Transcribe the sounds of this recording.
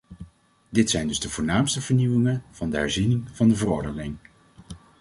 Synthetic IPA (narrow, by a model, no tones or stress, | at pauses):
dɪtsɛjndɵzdəvʊːɹnaːmstəvəɹniwɪŋənv̥ɑndəɦɛ̰ɹzinɪŋv̥ɑndəvərɔɹdənɪŋ